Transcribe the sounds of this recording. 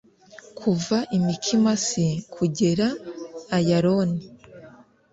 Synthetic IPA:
kʰuvaʔimikʰimasikʰuɟe̞ɾaː | jaɾoni

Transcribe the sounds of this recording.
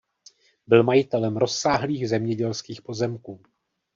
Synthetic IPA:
bɪlmajɪt̪ɛlɛmɾo̞sːaːɦliːɣzɛmɲɛɟɛlskiːxpo̞zɛmkuː

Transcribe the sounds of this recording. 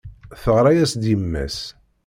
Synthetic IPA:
θəʁɾˤajæsd̪imːæ̰s

